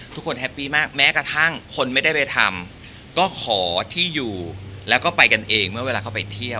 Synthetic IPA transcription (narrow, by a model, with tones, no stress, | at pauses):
t̪ʰu˦˥kʰːo˧nɦɛ˦˥pːiː˥˩maː˥˩k̚mɛː˦˥kɾa˧t̪ʰa˥˩ŋkʰo˧nma˥˩jda˥˩jpa˧jt̪ʰa˧m | kɔː˥˩kʰɔː˩˦t̪ʰiː˥˩juː˨˩lɛː˦˥wkɔː˥˩pa˧jka˧nʔeː˧ŋmɯ˥˩weː˧lːkʰa˥˩pa˧jt̪ʰi˥˩ə